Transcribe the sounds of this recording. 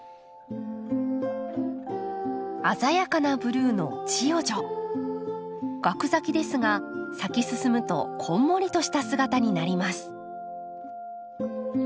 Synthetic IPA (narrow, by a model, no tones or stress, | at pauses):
azajakanabɯ̟ɾɯ̟ːno̞̰t͡ɕijo̞ʑo̞ | ɡ̥akɯ̟zakʲid̪e̞sɨɡasakʲisɨsɨmɯ̟t̪o̞̰kʰõ̞mːo̞ɾʲit̪o̞ɕi̥t̪asɨɡat̪aɲ̟inaɾʲimasɨ̥